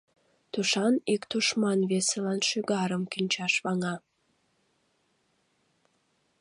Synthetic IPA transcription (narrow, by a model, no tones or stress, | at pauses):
t̪uʃɑnikt̪uʃmɑnβeselɑnʃyɡɑɾəmkinʲt͡ɕɑʃβɑŋɑ